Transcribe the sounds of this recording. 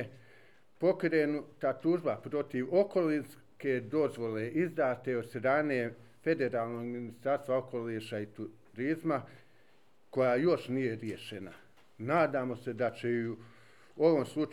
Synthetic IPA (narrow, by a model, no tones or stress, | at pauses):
po̞kɾeːnut̪at̪uːʒbapɾo̞t̪iʋo̞ko̞lins | ked̪o̞zʋo̞le̞ʔizd̪aːt̪e̞o̞d̪st̪ɾaːneː | fe̞d̪e̞ɾaːlˠno̞ɡminist̪aɾst̪ʋao̞ko̞liːʃait̪u | ɾizma | ko̞jaːjo̞ʃnijeɾje̞ʃena̰ | naːd̪aːmo̞se̞d̪at͡ɕe̞iu | o̞ʋo̞mslˠut͡ʃ